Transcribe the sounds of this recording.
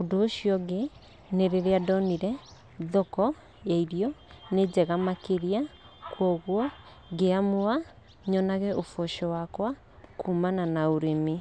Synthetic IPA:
odoːʃiɔɡe | neɾeɾeadɔniɾɛ | ðɔkɔ | jaiɾjɔned͡ʑɛɣamakeɾia | kwɔɣwɔ | ɡeamoa | ɲɔnaɣɛʔofɔʃɔwakwa | kʰumananaoɾemi

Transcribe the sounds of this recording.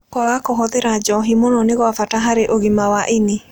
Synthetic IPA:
kwaɣakɔɦɔðeɾad͡ʒɔɦimonɔneɣwafataɦaɾeʔoɣimawaʔene

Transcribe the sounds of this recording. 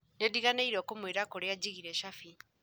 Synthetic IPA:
nediɣaneiɾoːkomweɾakoɾead͡ʑiɣiɾɛʃafi

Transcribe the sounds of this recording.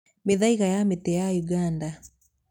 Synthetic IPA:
meðaiɣajametɛjajuɡanda

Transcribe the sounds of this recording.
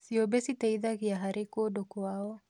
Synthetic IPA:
siobesit̪eiðakiaɦaɾikodokoao

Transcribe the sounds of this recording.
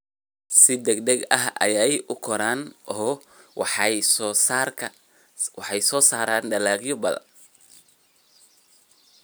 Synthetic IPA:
sɪd̪ɛɡd̪ɛɡɐɦɐ̰jɛjʊkʰɔɾaːnɔ | saːrkʰɐ | wɑħɑjsɔːsaːɾaːnɖɐlaːɡjɔbɐðɐ̰n

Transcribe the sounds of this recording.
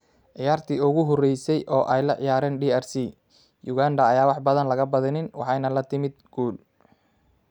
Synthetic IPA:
ʕɪjaːrt̪ʰiːʊɣʊɦɔrɛjsɛjʔɔːʔɛjlɐʕɪ̰jaːɾɛːnɖiːɛrsi | jʊɣaːnd̪ɐːjaːwɑħbɐðɐnlɐɣɐbɐðɪnɪnwɑ̰ħɑjnɐlɐt̪ʰɪmɪd̪̚ɡ̥uːl

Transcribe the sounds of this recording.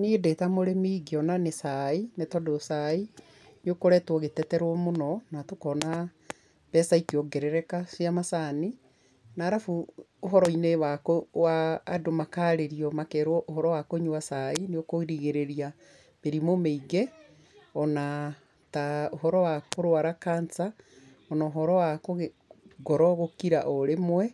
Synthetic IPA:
nedetamoɾemeiɡeɔnanesainetɔdosai | neokoɾɛtwɔɣetɛtɛɾwɔmonɔnatokɔna | β̥ɛsaikeɔɡɛɾɛɾɛkasjamasani | naːɾafu | oɦɔɾɔinewakowaːdomakaːɾeɾiɔmakɛɾwɔʔohɔɾɔwakoɲuwasaineokoiɾiɣeɾeɾia | βeɾimomeiɣɛ | ɔna | taoɦɔɾɔwakoɾwaɾakaːnt͡sa | ɔnaoɦɔɾɔwakoɣe | ɡɔɾɔɣokiɾaʔɔɾemwɛ

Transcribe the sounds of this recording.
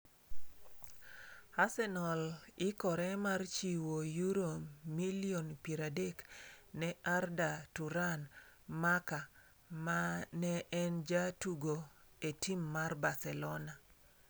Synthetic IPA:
asɛnɔlɪkɔɾɛmart͡ʃiwojuɾomilionpiɾadeknɛardatuɾanmaka | manɛʔːnd͡ʒatuɡoetimːarbasɛlɔna

